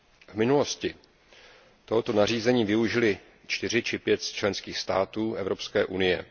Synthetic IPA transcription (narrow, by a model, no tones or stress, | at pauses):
vmɪnulo̞scɪ | t̪oɦot̪o̞nar̝iːzɛɲiːvɪuʒɪlɪ | t͡ʃt̪ɪr̝ɪt͡ʃɪpjɛt̪st͡ʃlɛnskiːxst̪aːt̪uːʔɛvɾo̞pskɛːʔunɪjɛ̰